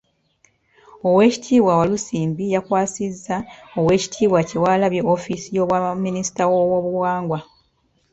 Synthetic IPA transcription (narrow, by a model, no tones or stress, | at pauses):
o̞we̞ːci̥tʰiːβwawalusiːmbijakwaːsizːao̞we̞ːci̥tʰiːβwace̞waːlaβjeofisijo̞ːβwamːinisi̥tawo̞wo̞ːβuwaːŋɡwa